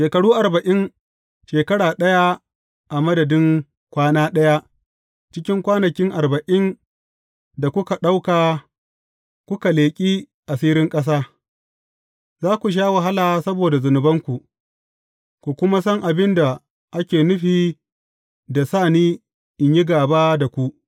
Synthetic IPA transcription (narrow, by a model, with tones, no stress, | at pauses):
ʃeː˨kɐ˨ɽuː˦ʔa˨ɾbɐ˨ʔɪ˦n | ʃeː˨kɐ˦ɽaː˨ɗɐ˦ja˦ | ʔa˨mɐ˦dɐ˨dɪ˦ŋ | kʷaː˦naː˦ɗɐ˦ja˦ʔ | t͡ʃɪ˦kʲɪ˦ŋkʷaː˦nɐ˨kʲɪ˦ŋʔa˨ɾbɐ˨ʔɪ˦n | da˨kʷʊ˦ka˨ɗa˦wkaː˨ | kʷʊ˦ka˨leː˨kʲʼiː˦ | ʔa˨siː˦ɾɪ˦ŋkʼɐ˦s̬aː˦ | zaː˦kʷu˨ʃ̬aː˦wɐ˨ɦa˦laː˨sɐ˦boː˨da˨zʊ˨nʊ˨bɐ˦ŋkʷu˨ʔ | kʷu˨kʷʊ˦ma˦sɔ˦ŋʔa˨bɪ˦nda˨ | ʔa˦kʲeː˨nʊ˦ɸiː˨ | da˨saː˦˨niː˦ | ʔɪ˨ɲji˦ɡaː˨baː˦da˨kʷu˦ʔ